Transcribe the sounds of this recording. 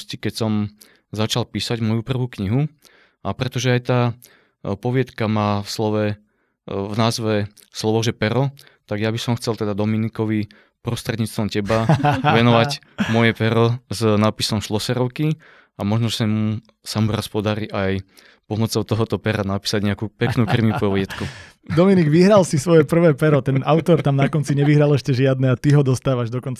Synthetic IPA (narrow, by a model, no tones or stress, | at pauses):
scikɛcsɔm | zat͡ʃalpiːsaɟmɔjupr̩ʋuːkɲiɦu | apɾɛt̪ɔʒɛajt̪aː | pɔʋɪɛt̪kamaːfslɔʋɛ | vnaːzʋɛ | slɔʋɔʒɛpɛɾɔ | t̪aɡjabisɔmxt͡sɛlt̪ɛd̪ad̪ɔminikɔʋi | pɾɔst̪ɾɛd̪ɲiːt͡st̪ʋɔmcɛbaʋɛnɔʋaɟ | mɔjɛpɛɾɔznaːpisɔmʃlɔsɛɾɔʊki | amɔʒnɔsamu | samuɾaspɔd̪aɾiːʔaj | pɔmɔt͡sɔʊt̪ɔɦɔt̪ɔpɛɾanapi̥ːsaɟɲɛakupɛknuːkrimipɔɔɟɛt̪ku | d̪ɔminiɡʋiɦɾalsisʋɔjɛpr̩ʋɛːpɛɾɔt̪ɛnaʊt̪ɔɾt̪amnakɔnt͡siɲɛʋiɦɾalɛʃcɛʒɪad̪nɛat̪iɦɔd̪ɔst̪aːʋaʒd̪ɔkɔnt͡sa